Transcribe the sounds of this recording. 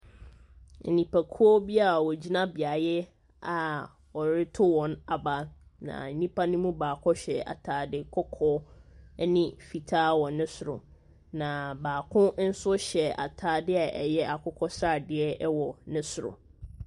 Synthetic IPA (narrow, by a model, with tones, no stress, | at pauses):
n̩˨nĩ˨pʰa˨kʰu˦ɔ˦bi˦a˨wɔ˨d͡ʑi˦nã˦bɪ˨a˨jɛ˦ | a˨ | ɔ˨ɾɪ˦tʰʊ˦wɔ̃˨na˨ba˨˦nã̰˨n̩˦nĩ˦pʰa˦nʊ̃˦mũ˦baː˨kʰɔ˦ɕɛ˨a̰˨tʰaː˨dɪ˦kʰɔ˦kʰɔ˦nɪ̃˦fi˨tʰaː˦wɔ˨nɪ̃˦sʊ˨ɾʊ̰˨ | nã˨baː˨kʰʊ̃˦n̩˦sʊ˦ɕɛ˨a̰˨tʰaː˨dɪ˦a˨ʔɛ˨jɛ˦ʔa˨kʰʊ˦kʰɔ˦sɾa˦˨dɪ˦ɛ˦ɛ˦wɔ˨nɪ̃˦sʊ˨ɾʊ̰˨